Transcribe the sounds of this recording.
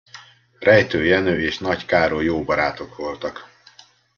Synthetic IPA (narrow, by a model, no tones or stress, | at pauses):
rɛjt̪øːjɛnøːeːʃnɒckaːɾoːjoːbɒɾaːt̪o̞kʋo̞lt̪ɒk